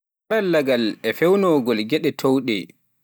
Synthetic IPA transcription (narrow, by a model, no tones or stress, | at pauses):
aɾalːaɡalɛfɛwnɔɡɔlɡɛɗɛtʰowɗɛ̰